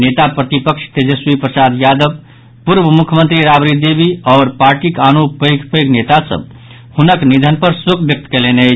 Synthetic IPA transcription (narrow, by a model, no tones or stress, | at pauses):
net̪apɾət̪ipəkʃt̪ed͡ʒəswipɾəsad̪jad̪əb | puɾbəmukʰjmənt̪ɾiɾabɾid̪ebiɔːɾpaɾʈikanupəjɡpəjɡnet̪asə̰b | hunəknid̪ʱənpəɾsukʰbjək̚t̪keleneət͡ʃʰ